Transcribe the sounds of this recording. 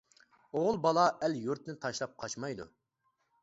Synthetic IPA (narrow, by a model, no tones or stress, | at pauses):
oʁʊlˠbɑlˠɑʔɛljuɾt̪ʰnɪt̪ʰɑʃlˠɑp̚qʰɑt͡ʃmɑjd̪ṵ